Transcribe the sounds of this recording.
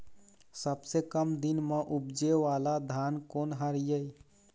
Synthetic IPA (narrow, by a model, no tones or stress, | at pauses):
səbsekəmd̪inmeʔubd͡ʒeʋalad̪ʱankonɦəɾijəj